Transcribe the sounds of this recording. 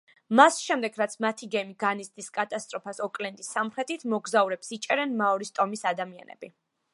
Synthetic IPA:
masʃɛmd̪ɛɡɾat̪sʰmat̪ʰiɡɛmiɡanist̪ʼiskʼat̪ʼast̪ʼɾɔpʰasɔkʼlɛnd̪ʼisːamχɾɛt̪ʰit̪ʰmɔɡzauɾɛpsit͡ʃʼɛɾɛnmaɔɾist̪ʼɔmisad̪amia̰nɛ̰b̥i

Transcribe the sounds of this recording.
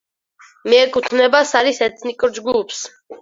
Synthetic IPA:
mɛɛkʼut̪ʰnɛbasaɾisɛt̪ʰnikʼɾd͡ʒɡupʰs

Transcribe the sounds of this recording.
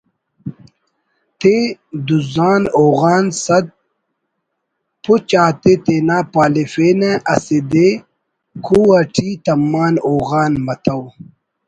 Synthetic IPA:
t̪ed̪uzaːnoːɣaːnsɐd̪̚ | pʰut͡ɕaːt̪et̪enaːpaːlefeːneʔɐsed̪e | kʰuɐʈʰit̪ɐmːaːnoːɣaːnmɐt̪ʰɐw

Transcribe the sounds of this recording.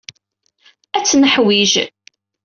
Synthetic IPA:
æt͡sːnəħwiʒ

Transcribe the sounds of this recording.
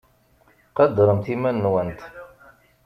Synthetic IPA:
qɑd̪ːɾˤəmt̪imænːwənt̪

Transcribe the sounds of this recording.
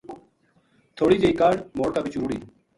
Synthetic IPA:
t̪ʰoːɽiːd͡ʒeiːkaːɽmoːɽkaːbit͡ʃɾuːɽḭː

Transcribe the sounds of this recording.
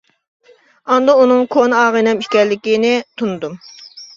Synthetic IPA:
ɑnd̪ɑunɨŋkʰonɑːʁənɛmiʃkʲɛɾlːɪkʲinɪt̪ʰunɨd̪um

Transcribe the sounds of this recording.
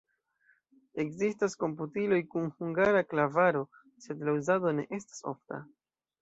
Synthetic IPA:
e̞kzistasko̞mp̬utilo̞jkunhuŋɡaɾaklavaɾo̞ | se̞dlauzado̞ne̞̰ʔe̞stḁso̞̰fta̰

